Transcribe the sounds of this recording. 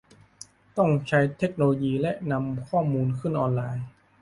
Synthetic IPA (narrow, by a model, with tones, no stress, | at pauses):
t̪ɔ˥˩ŋt͡ɕʰa˦˥jt̪ʰe˦˥k̚noː˧loː˧jiː˧lɛ˦˥ʔna˧mkʰɔː˥˩muː˧nkʰɯ˥˩nʔɔː˧nlaː˧j